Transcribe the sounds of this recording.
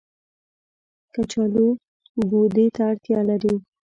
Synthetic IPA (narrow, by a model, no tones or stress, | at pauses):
kat͡ʃɑlu | bod̪et̪aːɽt̪jɑlaɾi